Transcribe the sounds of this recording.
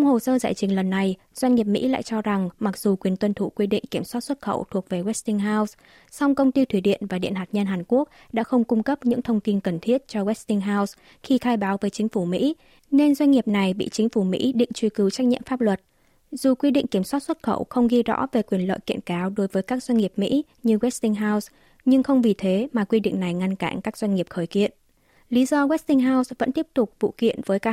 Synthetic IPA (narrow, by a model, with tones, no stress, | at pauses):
wŋ͡mho˨˩səː˧za̰ː˧˩jt͡ɕï˨˩ŋ̟lə˨˩nːa˨˩j | z̥wa˧jŋ̟ŋi˨˩əp̚mḭ˧˥la̰ː˧˨jt͡ɕɔ˧za˨˩ŋma˨˩k̚zu˨˩kwi˨˩ənt̪wə˧nt̪ʰu˧˩kwi˧ɗḭ˧˨ŋ̟ki˧˩əmswaː˦˥t̚swə˦˥t̚xə̰˧˩wt̪ʰu˨˩ək̚ve˨˩ɣwɛ˦˥st̪i˧ŋɦaː˧ws | sa˧wŋ͡mkə˧wŋ͡mt̪i˧t̪ʰi˧˩ɗḭ˧˨ənvaː˨˩ɗḭ˧˨nɦaː˨˩t̚ɲə˧nɦaː˨˩nku˦˥ək̚ɗa̰ː˧˥xə˧wŋ͡mkʊ˧ŋ͡mkə˦˥p̚ɲɨ̰˧˥ŋt̪ʰə˧wŋ͡mt̪i˧nkə˨˩nt̪ʰi˦˥ət̚t͡ɕɔ˧wɛ˦˥st̪i˧ŋɦaː˧ws | xi˧t̪ʰaː˧jɓaː˨˦wvəː˨˦jt͡ɕï˨˦ŋ̟fu˧˩mḭ˧˥ | ne˧nzwa˧jŋ̟ŋi˨˩əp̚na˨˩jɓḭ˧˨t͡ɕï˨˦ŋ̟fu˧˩mḭ˧˥ɗḭ˧˨ŋ̟t͡ɕwi˧kɨ˨˦wt͡ɕa˦˥k̟̚ɲḭ˧˨ə˨mfaː˦˥p̚lwə˨˩t̚ | z̥u˨˩kwi˧ɗḭ˧˨ŋ̟ki˧˩əmswaː˦˥t̚swə˦˥t̚xə̰˧˩wxə˧wŋ͡mɣi˧zɔ̰˧˥ve˨˩kwi˧˩ənlə̰ː˧˨jkḭ˧˨ənkaː˨˦wɗo˨˦jvəː˨˦jkaː˦˥k̚zwa˧jŋ̟ŋi˨˩əp̚mḭ˧˥ | ɲɨ˧ɣwɛ˦˥st̪ï˧ŋ̟ɦaː˧ws | ɲɨ˧ŋxə˧wŋ͡mvi˨˩t̪ʰe˨˦maː˨˩kwi˧ɗḭ˧˨ŋ̟na˨˩jŋa˧nka̰ː˧˩ŋkaː˦˥k̚zwa˧ŋ̟ŋi˨˩əp̚xəː˧˩jkḭ˧˨ən | li˨˦zɔ˧ɣwɛ˦˥st̪ï˧ŋ̟ɦaː˧wsvə̰˧˥nt̪i˦˥əp̚t̪ʊ˨˩k͡p̚vṵ˧˨kḭ˧˨ənvəː˨˦jka˦˥